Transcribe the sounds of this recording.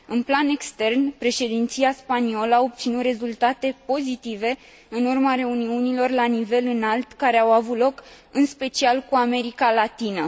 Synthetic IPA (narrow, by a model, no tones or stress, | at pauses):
ɨnplane̞kst̪e̞rnpɾe̞ʃe̞d̪int̪siaspanio̞ləao̞p̚t̪sinut̪re̞zult̪at̪e̞po̞zit̪ive̞ | ɨnurmaɾe̞uniunilo̞rlanive̞lɨnalt̪kaɾe̞awavut̪lo̞k | ɨnspe̞t͡ʃialkuame̞ɾikalat̪inə